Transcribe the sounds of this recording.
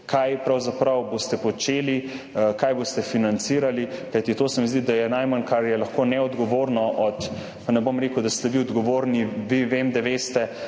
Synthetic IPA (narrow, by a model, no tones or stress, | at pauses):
kʰajpɾawzapɾawbost̪ɛpɔt͡ʃeːli | kajbost̪ɛfinant̪siːɾalikajt̪it̪oːsɛmizd̪id̪ajɛnajmankaɾjɛlɐxkoːnɛɔd̪ɡɔʋoːɾnɔʔɔt̪ | panɛbomɾeːkud̪ast̪ɛʋiɔd̪ɡɔʋoːɾniʋiʋemd̪aʋeːst̪ɛ